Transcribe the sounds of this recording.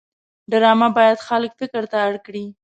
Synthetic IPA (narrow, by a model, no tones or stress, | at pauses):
ɖaɾɑmabɑjad̪xaləkfɪkəɾt̪aːɽkɽi